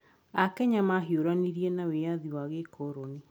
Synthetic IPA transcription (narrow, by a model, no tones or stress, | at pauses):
akɛɲamaɦioɾaniɾiɛnawejaðiwaɣekʰɔɾɔni